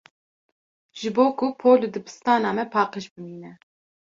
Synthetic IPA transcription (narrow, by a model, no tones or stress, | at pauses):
ʒ̥ɨboːkʰʊpʰoːlɨd̪ɨbɨ̥st̪ɑːnɑːmɛpʰɑːqeʃbɨmiːnɛ